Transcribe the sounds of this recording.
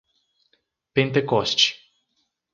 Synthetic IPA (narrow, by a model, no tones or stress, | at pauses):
pent̪ekost͡ʃ